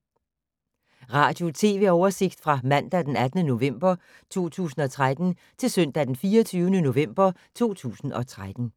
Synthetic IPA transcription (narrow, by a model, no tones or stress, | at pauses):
ʁɑ̈ːd̥jo̝t͡sʰe̝̰ːʋe̝ːɒʊɐse̝ɡ̥̚d̥fʁɑ̈mæn̰d̥æd̥enæd̥nəno̝ʋem̰b̥ɐ | t͡sʰo̝̰ːt͡sʰṵːsn̩ɒ̽t͡sʰʁad̥n̩ | t͡sʰe̝lsœn̰d̥æd̥enfiːɒt͡sʰyːʊənəno̝ʋem̰b̥ɐt͡sʰo̝̰ːt͡sʰṵːsn̩ɒ̽t͡sʰʁad̥n̩